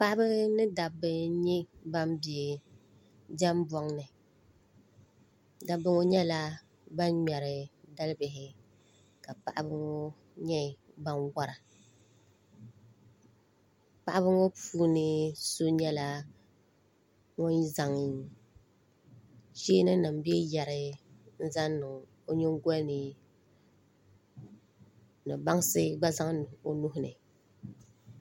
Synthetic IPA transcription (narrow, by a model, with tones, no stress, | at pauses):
pa˦ʔa˦bɨ˦nɨ˦da˨bɨ˦ɲɛ˦ba˦mbi˨e˨ | d͡ʒɛ˦mbɔ˦ŋnɨ˨ | da˨bɨ˦ŋo˦ɲɛ˦la˦ | ba˦nɲɛ˨ɾɨ˨da˦lɨ˦bɪ˨ɦɪ˨ | ka˨pa̰˨ʔa̰˦bɨ˦ŋo˦ | ɲɛ˦˨ | ba˦nwa˦ɾa˨ | pa˦˨ʔa˦bɨ˦ŋɔ˦puː˦nɨ˦so˦ɲɛ˦la˦ | ŋɔ˦n˦za˨ŋ˨ | t͡ʃi˦nɨ˦nɨ˨m˨bi˦ɛ˦ja˨ɾɪ˦n̩˦za˦nnɨ˨ŋ | o˦ɲɪ˦ŋ˦ɡɔ˦nɨ˨ | nɨ˨ba˦ŋ˦sɨ˦ɡ͡ba˦za˦ŋ˨o˦nu˦ɦʊ˦nɨ̰˨